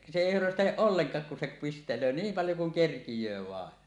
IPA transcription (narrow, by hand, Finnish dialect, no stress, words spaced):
se eˑi hørøsteleʔ ʔolːeŋkˑɑːk kun se pistelˑøː niːm pɑljo kuŋ kerkijˑøː ʋɑˑen